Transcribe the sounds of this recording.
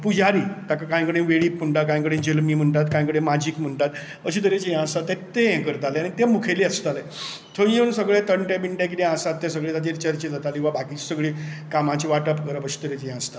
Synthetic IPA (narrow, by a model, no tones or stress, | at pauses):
pud͡ʑaɾiːt̪akakãj̃kəɽẽʋeɭiːpm̤əɳʈat̪kãj̃kəɽẽd͡ʑelmiːm̤əɳʈat̪kãj̃kəɽẽmad͡ʑiːkm̤əɳʈat̪ | əɕit̪̬əɾet͡ɕejãəst̪at̪ːẽt̪ejɛ̃kəɾt̪aleaɽ̃it̪ẽmukʰeliəst̪ale | t̪ʰəensəɡɭet̪əɳʈẽbiɳʈẽk̬it̪ẽãsat̪ːesəɡɭet̪ad̪iɾt͡ɕəɾt͡ɕed͡zat̪alĩʋabakiːt͡ɕsəɡɭiːkamãt͡ɕiʋaʈəpkəɾəpəɕi̥t̪əɾet͡ɕejãəst̪at̪